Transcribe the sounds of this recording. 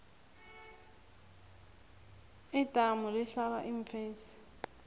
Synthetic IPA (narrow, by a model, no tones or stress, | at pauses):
ɪtʼamʊlɪɬala̰ʔiɱ̩feːsɪ̥